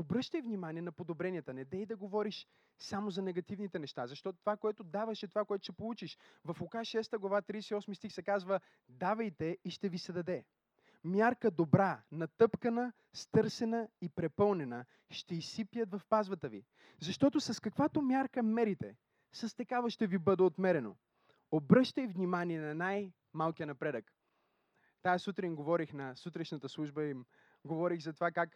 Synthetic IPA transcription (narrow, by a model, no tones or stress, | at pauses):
obɾɤʃt̪əjvnimaniɛnɐpod̪obɾɛniət̪ənɛd̪ɛid̪ɐɡovɔɾiʃ | samozɐnɛɡɐt̪ivnit̪ɛnɛʃt̪azɐʃt̪ɔt̪ot̪ovakoɛt̪ʊd̪avɐʃɛt̪ovakoɛt̪ʊ̥ʃɛpolˠut͡ʃiʃvɐfʊkaʃɛst̪əɡlˠɐvat̪ɾisɛiɔsmist̪ixsɛkazvə | d̪avɐjt̪ɛiʃt̪ɛvisɛd̪ɐd̪ɛ | mʲjaɾkəd̪obɾanɐt̪ɤpkənə | st̪ɤɾsɛnəipɾɛpɤlˠnɛnə | ʃt̪ɛisipjət̪vɐfpazvət̪əvi | zɐʃt̪ɔt̪osɐskɐkvat̪omʲjaɾkəmɛɾit̪ɛ | sɐst̪ɐkavəʃt̪ɛvibɤd̪ɛot̪mɛɾɛno̰ | obɾɤʃt̪əjvnʲimaniɛnɐnaj | malˠkijənɐpɾɛd̪ək | t̪ajsut̪ɾinɡovɔɾixnɐsut̪ɾɛʃnət̪əslˠuʒbəim | ɡovɔɾixzɐt̪ovakak